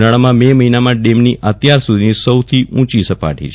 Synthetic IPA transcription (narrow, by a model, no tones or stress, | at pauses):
naɭamãmeməɦinamãɖemniʔət̪jaɾsud̪ʱinisəwt̪ʰiʔũt͡ʃisəpa̰ʈʰḭt͡ʃʰ